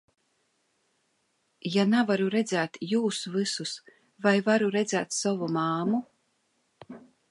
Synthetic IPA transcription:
janavaɾuɾɛd̪zæːt̪juːsuvɨsus | vajvaɾuɾɛd̪zæːt̪sɔvumaːmu

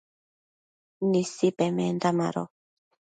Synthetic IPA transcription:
nisipɛmɛndama̰ɾɔ̰

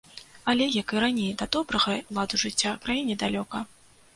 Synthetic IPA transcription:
ɐlʲɛjakɨɾanʲejd̪ɐd̪ɔbɾɐɣɐwlˠad̪uʐɨt͡sʲːakɾajinʲɛd̪alʲɔkɐ

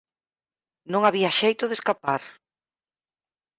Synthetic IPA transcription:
nõŋaβiɐʃejt̪oðeskapaɾ

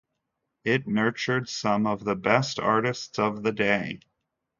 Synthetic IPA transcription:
ɪtⁿnɜ˞t͡ʃə˞dsʌ̃mʌvðəbɛstʰɑ̰ɹɾɨstsʌvðɨdeɪ

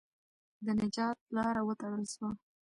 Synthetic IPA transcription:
d̪ənɪd͡ʒɑt̪̚lɑɾawət̪aɽəlʃwa

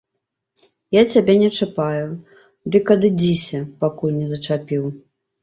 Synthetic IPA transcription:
jat͡sʲabʲɛnʲɛt͡ʂapaju | d̪ɨkːɐd̪ɨd͡zʲisʲɐpakulʲnʲɛzɐt͡ʂapʲiw

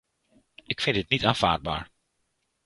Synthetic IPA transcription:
ʔɪkfɪntɪtnitaːnv̥a̰ːɹd̚ba̰ːɹ

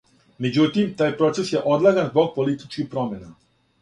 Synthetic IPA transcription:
med͡ʑut̪imt̪aːjpɾo̞t̪e̞sje̞ʔo̞d̪lˠaɡanzbo̞ɡ̚po̞lit̪i̥t͡ʃkixpɾo̞mena

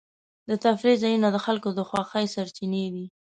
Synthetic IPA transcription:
d̪ət̪afɾizajunad̪əxalkod̪əxwɑxəjsaɾt͡ʃined̪i

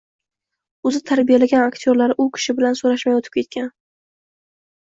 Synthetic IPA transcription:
ʊzɪt̪ʰaɾbijalaɡʲanakt̪ʰjoɾlaɾʔʊkʲʰɪ̥ʃɪbɪlansoɾaʃmajot̪ʰɪ̥p̚kʲe̞t̪̚kʲan

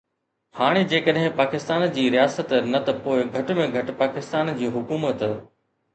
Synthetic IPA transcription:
haːɽ̃ed͡ʑeːkəɗɦɪ̃paːkɪst̪aːnd͡ʑiːɾijaːsət̪nɐt̪ɐpoːɪɡʱɐʈmẽɡʱɐʈ̆paːkɪst̪aːnd͡ʑiːɦʊkuːmət̪

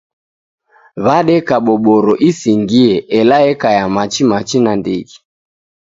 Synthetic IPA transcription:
βaɗɛkaɓɔɓɔɾɔʔisiŋɡiɛʔɛlaɛkajamat͡ʃimat͡ʃinandiɡi

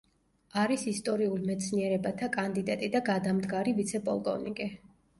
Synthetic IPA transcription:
aɾisist̪ʼɔɾiulmɛt̪sʰniɛɾɛbat̪ʰakʼand̪id̪at̪ʼid̪aɡad̪amd̪ɡaɾivit̪sʰɛpʼɔ̰lˠkʼɔ̰vnikʼɛ

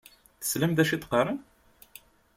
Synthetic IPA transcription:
θə̥sləmd̪æʃit̪ːqɑrˤən

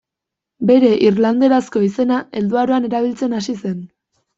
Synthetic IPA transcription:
be̞ɾe̞ʔirland̪e̞ɾasko̞ise̞nae̞ld̪uaɾoane̞ɾaβ̞ilt͡se̞nasise̞n

